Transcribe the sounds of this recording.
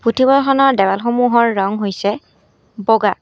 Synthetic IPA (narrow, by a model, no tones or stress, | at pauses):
putʰibɔxɔnɔɹdɛbalxomuɦɔɹːɔŋɦojsɛ | bɔɡa